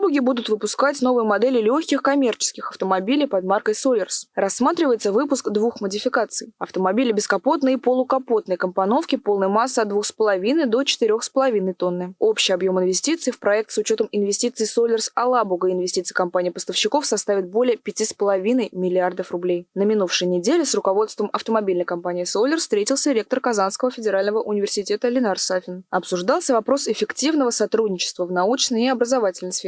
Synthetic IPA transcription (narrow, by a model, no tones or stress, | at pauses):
bʊɡʲɪbud̪ʊt̪vɨpʊskatʲno̞vɨjəmɐd̪ɛlʲɪlʲoçʲkʲɪxkɐmʲe̞rt͡ɕɪ̥skʲɪxɐft̪əmɐbʲilʲɪjpɐd̪markəjsolʲɪrsrɐsːmat̪ɾʲɪvəjɪt̪səvɨpʊskd̪vuxmədʲɪfʲɪkat̪sɨjɐft̪əmɐbʲilʲɪbʲɪskɐpo̞t̪nɨjipəlˠʊkɐpo̞t̪nəjkəmpɐno̞fkʲɪpo̞lˠnəjmasːəɐt̪d̪vuxspəlˠɐvʲinəɨjd̪o̞t͡ɕɪ̥t̪ɪɾʲo̞xspəlˠɐvʲin̪əjt̪o̞nːɨo̞pɕɪjɐbjo̞mɨnvʲɪsʲtʲit̪sɨːfpɾɐɛk̚t̪sʊt͡ɕo̞t̪əmɪnvʲɪsʲtʲit̪sɨsolʲɪrsɐlˠabuɡəɪnvʲɪsʲtʲit̪sɨ̥ɪikɐmpanʲɪiːpəst̪əfɕːɪko̞fsɐst̪avʲɪt̪̚bo̞lʲɪjəpʲɪtʲispəlˠɐvʲinəjmʲɪlʲɪard̪əfrʊblʲejnəmʲɪnufʂɨjənʲɪdʲelʲɪsrʊkɐvo̞t̪st̪vəmʔɐft̪əmɐbʲilʲnəjkɐmpanʲɪːsolʲɪrst̪ɾʲetʲɪlˠsʲəɾʲe̞k̚t̪ərkɐzanskəvəfʲɪdʲɪɾalʲnəvəʔʊnʲɪvʲɪrsʲɪtʲet̪əlʲɪnarsafʲɪnɐpsʊʐd̪ɑlˠsʲəvɐpɾo̞sɪfʲɪktʲivnəvəsɐt̪ɾudʲnʲɪt͡ɕɪ̥st̪vəvnɐut͡ɕnəjɪɐbɾəzɐvatʲɪlʲnəjsfʲe